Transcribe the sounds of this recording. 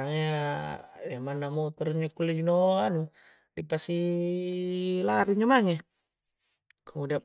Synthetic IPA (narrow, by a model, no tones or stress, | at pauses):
aŋɲa | diamanːamot̪ɔɾɲakulːed͡ʒinoanu | dipasi | laɾiɲomaŋe | kʰumudia